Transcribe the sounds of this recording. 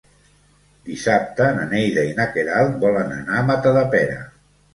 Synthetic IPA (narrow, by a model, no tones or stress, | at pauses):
d̪isap̚t̪ənənejðəinakeɾalˠbɔlənə̰namat̪əðəpɛɾə̰